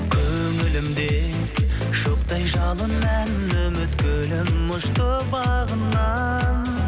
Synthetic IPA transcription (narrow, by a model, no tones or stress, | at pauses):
kʲʰɵŋɪlɪmd̪e | ʃoqt̪ɑjʒɑlˠənmæn | ɵmɪt̪kʲʰølɪmːʊʃt̪əbɑʁənːɑ | n